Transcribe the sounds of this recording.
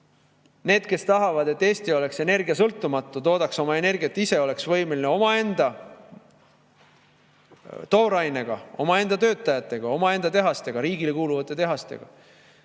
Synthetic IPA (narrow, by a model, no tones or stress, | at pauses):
ne̞ːd̪̥̚ke̞st̪ɑɦɑvɑd̪e̞t̪ːe̞ːst̪io̞le̞kse̞ne̞rɡiɑsɤlt̪ːumɑt̪ːˑut̪o̞ːd̪̥ɑkso̞mɑe̞ne̞rɡ̥ʲiɑet̪ːise̞o̞le̞ksvɤ̞jmelineo̞mɑe̞nd̪̥ɑ | t̪o̞ːɾɑjne̞ɡ̥ɑo̞mɑe̞nd̪̥ɑt̪ø̞ːt̪ːˑɑjɑt̪ːˑe̞ɡ̥ɑo̞mɑe̞nd̪ɑt̪e̞ɦɑst̪e̞ɡ̥ɑɾiːɡile̞kuːluvɑt̪ːˑe̞t̪e̞ɦɑst̪e̞̰ɡ̥ɑ̰